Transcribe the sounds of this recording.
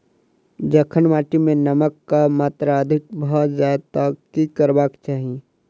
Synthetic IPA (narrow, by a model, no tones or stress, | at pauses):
d͡ʒɐkʰənmaːʈimẽnɐməkːamaːt̪ɾaəd̪ʱɪk̚bɔt̪zjaːd̪t̪akikəɾbaːkt͡ʃaːɦijẽ